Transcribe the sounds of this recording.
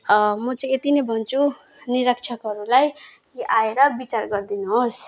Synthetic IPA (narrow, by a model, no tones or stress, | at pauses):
mʌt͡sʌĩet̪inʌjbʱʌnt͡sʰu | niɾʌkt͡sʰʌkɦʌɾulaj | kiʔaeɾʌbit͡sarɡʌrd̪inuɦos